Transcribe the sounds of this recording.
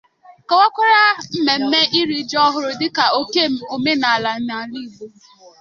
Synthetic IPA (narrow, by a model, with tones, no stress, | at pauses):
ka˨wʷa˦kʷa˦ɾa˦m̩˦me˨m̩˦me˦ʔi˦ɾi˨˦d͡ʒɔ˦ɦʊ˦ɾʊ˦dɪ˦ka˨o˦ke˦o˨me˦na˨a˨la˨n̩˦na˨li˦˨bo˨˦